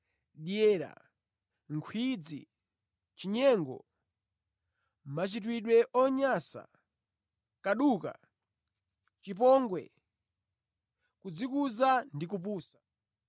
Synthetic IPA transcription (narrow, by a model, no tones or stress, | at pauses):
ɗjɛːɾa̰ | ŋkʰwid͡zḭ | t͡ʃiɲɛŋɡɔ̰ | mat͡ʃit̬wiɗwɛʔɔɲasa̰ | kaɗuːka̰ | t͡ʃip̬ɔŋɡwɛ̰ | kud͡zikuzandik̬up̬uːsḁ